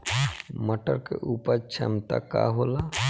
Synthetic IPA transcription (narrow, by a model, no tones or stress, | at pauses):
məʈəɾkeʔuːpəɾt͡ʃʰəmt̪a̰ka̰ɦola